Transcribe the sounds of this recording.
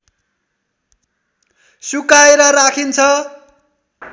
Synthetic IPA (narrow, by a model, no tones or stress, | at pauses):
sukaeɾʌrakʰint͡sʰʌ